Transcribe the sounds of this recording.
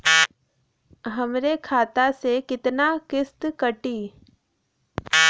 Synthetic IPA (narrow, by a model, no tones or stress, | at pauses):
ɦɐmɾekʰaːt̪asekɪt̪nakɪst̪kəʈiː